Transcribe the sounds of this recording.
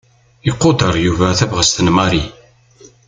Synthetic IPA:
iqːod̪əɾˤjuvæθævʁəst̪ənmɑɾi

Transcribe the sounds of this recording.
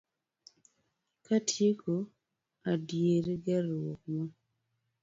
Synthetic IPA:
katʰjeko | adjeɾeɡaɾɔk̚ma

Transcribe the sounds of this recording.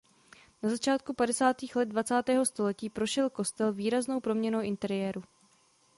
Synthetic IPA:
nazat͡ʃaːt̪̚kupadɛsaːt̪iːxlɛd̪̚dvat͡saːt̪ɛːɦo̞st̪o̞lɛciːpɾo̞ʃɛlko̞st̪ɛlviːɾazno̞wpɾo̞mɲɛnowʔɪnt̪ɛɾɪjɛːɾu

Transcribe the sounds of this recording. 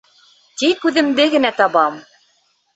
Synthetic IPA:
t̪ikʉðɘ̆md̪ɘɡɘ̆næt̪ɑβɑm

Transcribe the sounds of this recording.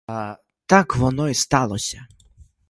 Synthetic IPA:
a | t̪akvɔnɔist̪alˠɔɕʲa

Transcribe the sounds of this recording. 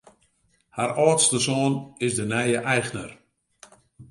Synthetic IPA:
haɾɔːtstəsɔːnɪsdənɛjəʔɛjxnər

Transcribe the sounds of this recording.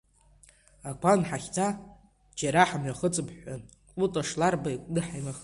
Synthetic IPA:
akʷʰanħaχʲt͡sʰa | d͡ʒaɾaħamɥaχət͡sʼɨpʰħʷan | kʼutʼaʂlarbaikʷʼdɨħajmaχ

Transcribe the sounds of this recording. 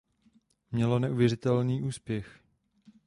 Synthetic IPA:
mɲɛlonɛʔuvjɛr̝ɪt̪ɛlniːʔuːspjɛx

